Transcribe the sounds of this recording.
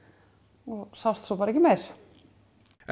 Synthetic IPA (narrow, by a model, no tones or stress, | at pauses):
ɔsawst̪sɔpaːɾaɛcɪmejɾ̥